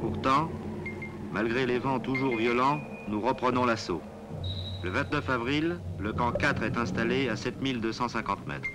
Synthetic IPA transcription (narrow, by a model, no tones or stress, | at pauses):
puʁt̪ɑ̃ | malɡʁelevɑ̃t̪uʒuʁvjɔlɑ̃ | nuʁəpχənɔ̃laso̰ | ləvɛ̃t̪nəfavʁilːəkɑ̃kat̪χɛt̪ɛ̃st̪aleasɛt̪mild̪øsɑ̃sɛ̃kɑ̃t̪mɛ̰t̪χ